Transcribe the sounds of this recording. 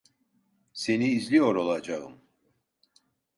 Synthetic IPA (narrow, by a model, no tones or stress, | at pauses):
se̞niːzlʲijo̞ɾo̞lˠad͡ʒaɯ̰m